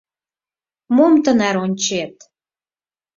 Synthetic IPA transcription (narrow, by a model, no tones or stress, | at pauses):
momt̪ə̆næɾonʲt͡ɕet̪